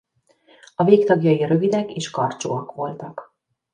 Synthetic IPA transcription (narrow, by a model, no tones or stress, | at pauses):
ɒveːkt̪ɒɡjɒjiɾøvid̪ɛkeːʃkɒrt͡ʃoːɒkʋo̞lt̪ɒk